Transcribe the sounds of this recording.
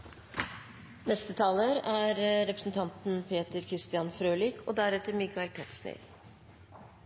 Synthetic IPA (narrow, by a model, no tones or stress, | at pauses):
nɛst̪ət̪ʰɑːləɾæːɾɾɛpɾə̥sn̩t̪ʰɑnt̪n̩pʰeːt̪əɾkʰɾɪst̪ɪɑnfɾøːlɪkʰo̰ːd̪æɾɛt̪əmɪɡɑɪt̪ʰɛt̪snḛːɾ